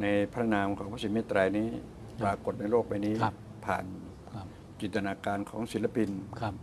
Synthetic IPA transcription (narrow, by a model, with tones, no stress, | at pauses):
na˧jpʰɾa˥˦˥naː˧mkʰɔː˩˦pʰa˦˥˩si˨˦˥meː˥˩t̪ɾaː˧jniː˦˥ | plaː˧ko˨˩t̪̚na˧jloː˥˩k̚ma˧jniː˦˥ | pʰa̰ː˨˩n | t͡ɕi˨˩t̪a˧naː˧kaː˧nkʰɔː˩˦ŋsi˨˦˥la˧˩pi˧nkʰ